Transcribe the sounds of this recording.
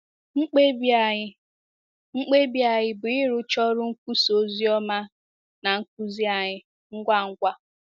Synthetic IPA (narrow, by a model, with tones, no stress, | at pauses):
ŋ̩˦k͡pe˦ba˨˦ | ŋ͡m̩˦k͡pe˦bi˦a˨ɲɪ˦bʊ˨ɪ˦ɾʊ˦t͡ʃɔ˦ɾʊ˦ŋ̩˦kʷu˦so˦zi˦ɔ˦ma˦ | na˨ŋ̩˦k̚u˦zi˦a˨ɲɪ˦ | ŋ̩˦ɡʷa˦˨ŋ̩˦ɡʷa˦